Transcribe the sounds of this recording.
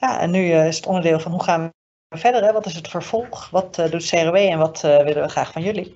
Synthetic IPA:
jaʔɛ̰nːyɪsətɔndəɹdɪːlˠvɑnɦuχaːn | əvɛɹdəɹɦɛʋɑtɪsətfəɹv̥ɔlˠχʋɑtdutseroʋejɛnʋɑtəʋɪlənʋəχra̰ːχfɑnjɵli

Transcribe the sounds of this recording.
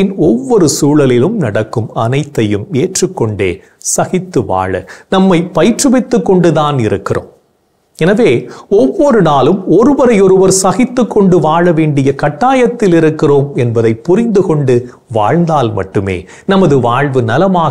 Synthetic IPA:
ɪnɔʋːɔɾɯsuːɻɐlɪlɯmnɐɽɐkːɯmɐnɐɪt̪ːɐjɯmeːʈrɯkːɔɳɖḛː | sɐɣɪt̪ːɯʋa̰ːɻɐ̰nɐmːɐɪpɐjʈrɯʋɪt̪ːɯkːɔɳɖɯðaːnɪɾɯkːɪro̰ːm | ɛnɐʋeːɔʋːɔɾɯnaːlɯmɔɾɯʋɐɾɐɪɔɾɯʋɐɾsɐɣɪt̪ːɯkːɔɳɖɯʋaːɻɐʋeːɳɖɪjɐkɐʈːaːjɐt̪ːɪlɪɾɯkːɪroːmɛnbɐðɐɪpːʊɾɪnd̪ɯkɔɳɖɯ | ʋa̰ːɻnd̪aːlmɐ̰ʈːɯmḛː | nɐmɐðɯʋaːɻʋɯnɐlɐmaː

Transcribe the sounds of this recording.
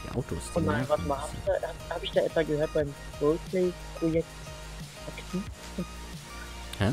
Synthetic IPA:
d̥ḭʔa̰ʊtʰo̰ːsʊnnaɪnvasmahaːbɪçd̥ahabhaːbɪçd̥aːʔɛtv̥aɡəhøːɐt̚b̥aɪn | ɡ̥ɔl̚pʰleɪ | pʁ̥ojɛk̚t | ʔaktʰiːf | kʰa

